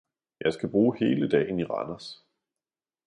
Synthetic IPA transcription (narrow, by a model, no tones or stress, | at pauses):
jɑ̈ɪsɡ̥æb̥ʁuːhe̝ːləd̥ɛ̰ːɪn̩iʁɑ̰nɐs